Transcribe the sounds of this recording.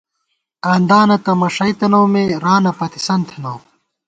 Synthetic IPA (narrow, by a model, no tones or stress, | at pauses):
aːnd̪aːnɐt̪ɐmɐʂɐjt̪ɐnowmeɾaːnɐpɐt̪i̥sɐnt̪ʰɐnow